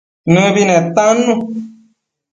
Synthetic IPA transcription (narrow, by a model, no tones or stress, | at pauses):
nũβinẽt̪ãnũ